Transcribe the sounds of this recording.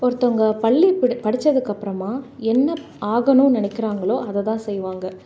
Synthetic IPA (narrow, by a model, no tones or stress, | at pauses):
ɔɾɯt̪ːɔŋɡɐpɐɭːipɐɽɪt͡ʃːɐðɯkːɐpːɯɾɐmaːɛnːɐ | aːɣɐnʊ̃nɪnɪkːɪɾaːŋɡɐɭoːʔɐðɐt̪ãːsɛjːʋaːŋɡɐ